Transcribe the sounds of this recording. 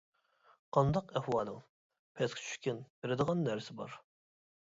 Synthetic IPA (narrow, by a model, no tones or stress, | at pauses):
qʰɑnd̪ɑqɛhwɑːlˠɨŋ | pʰɛskʰʲt͡ʃʰy̥kʲinbeɾɪd̪əʁɑnːæɾsɪbɑ̰ɾ